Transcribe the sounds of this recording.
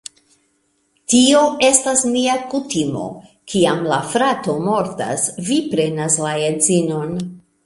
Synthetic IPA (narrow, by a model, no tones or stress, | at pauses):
tio̞e̞stasniakutimo̞̰ | kʰiamlafɾato̞mo̞ɾta̰svipɾe̞naslaezino̞n